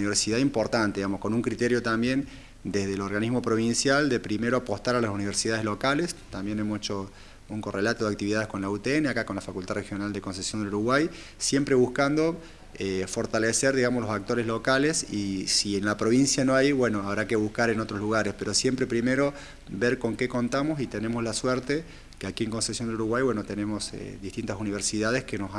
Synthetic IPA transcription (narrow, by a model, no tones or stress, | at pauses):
niβeɾsiðaimpo̞ɾt̪ant̪eðiɣamosko̞nuŋkɾit̪eɾjo̞t̪ambjen | d̪ezðelo̞ɾɣaniɦmo̞pɾo̞β̞insjald̪epɾimeɾoapost̪aɾalasuniβeɾsiðaðelo̞kalest̪ambjenemoset͡ʃo | uŋkorelat̪oðeak̚t̪iβiðaðesko̞nlaut̪eeneakakonlafakult̪arexjo̞nald̪eko̞ns̬esjo̞nd̪eluɾuɣwaj | sjempɾeβuhkand̪o̞ | efo̞ɾt̪aleseɾðiɣamoslosak̚t̪o̞ɾezlokalesisienlapɾo̞β̞insjanoajβweno̞aβɾakeβuhkaɾenot̪ɾozluɣ̞aɾespeɾosje̞mpɾepɾimeɾo̞ | beɾko̞ŋkeko̞nt̪amo̞sit̪ene̞moslaswɛɾt̪e | keakieŋko̞nsesjo̞nd̪eluɾuɣwajβwenot̪ene̞mo̞sḛðiht̪int̪asuniβ̞eɾsiðað̞eskenos